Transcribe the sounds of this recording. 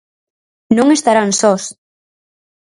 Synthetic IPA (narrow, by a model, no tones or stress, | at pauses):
nõŋest̪aɾansɔs